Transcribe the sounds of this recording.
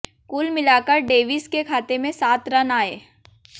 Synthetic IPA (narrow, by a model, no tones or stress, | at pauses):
kuːlmɪlaːkəɾɖeːʋɪskekʰaːt̪emẽsaːt̪ɾɐnaːeː